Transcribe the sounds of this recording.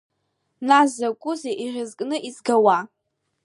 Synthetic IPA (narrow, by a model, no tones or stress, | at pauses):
nazakʷʼʊzeʔiʁʲɪzkʼnɨʔizɡawa